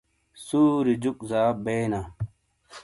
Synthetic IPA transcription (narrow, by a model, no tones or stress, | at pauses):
suːɾid͡ʑuk̚ʼzaːbeːna